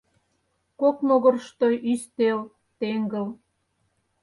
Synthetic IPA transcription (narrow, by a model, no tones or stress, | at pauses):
koknoɣərʃt̪ojʔyst̪el | t̪eŋɡəl